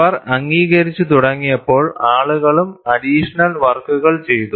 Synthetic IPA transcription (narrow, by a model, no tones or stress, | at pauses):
ɐrɐŋɡiːɣɐɾit͡ɕːut̪uɽɐŋːijɐpːo̞ːɭaːɭuɣɐɭumɐdiːʂɐnɐlʋɐrkːuɣɐɭt͡ɕe̞jt̪u